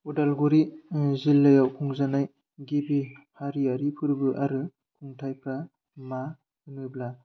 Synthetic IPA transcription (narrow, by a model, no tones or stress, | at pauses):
udalɡuɾizilːajawkʰuŋzanaj | ɡibihaɾiaɾipʰɯɾbɯʔaɾɯ | kʰuŋtʰajpʰa | ma | hɯnɯbla